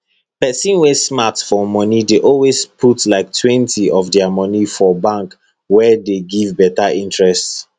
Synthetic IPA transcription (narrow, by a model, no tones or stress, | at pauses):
pɛsĩnwesmatfɔmɔnideʔɔlwespʰutlaɪk̚tʰwɛ̃ntʰiɔvdɛamɔnifɔbãŋk | wɛdeɡivbɛtaʔĩntɹɛsts